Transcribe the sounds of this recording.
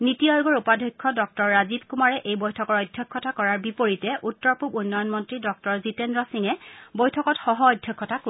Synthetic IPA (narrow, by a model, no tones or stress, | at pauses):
nitiɔjʊɡɔɹupadʱɔkʰːɔdɔk̚tɔɹːazibkumaɹɛʔejbɔjtʰɔkɔɹɔjdʱjɔkʰːɔtakɔɹaɹbipoɹitɛʔutːɔɹpubunːɔjɔnmɔntɹidɔk̚tɔɹzitendɹɔsiŋɛbojtʰɔkɔtxɔɦɔɔjdʱjɔkʰːɔtaku